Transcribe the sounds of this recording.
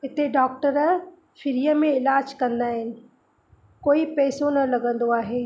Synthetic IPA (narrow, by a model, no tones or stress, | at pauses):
ɪt̪eɖɔːk̚ʈəɾ | fɪɾijəmẽɪlaːd͡ʑkɐ̃nd̪aːɦɪnɪ̆ | koːipɛːsonɐlɐɡə̃nd̪oaːɦeː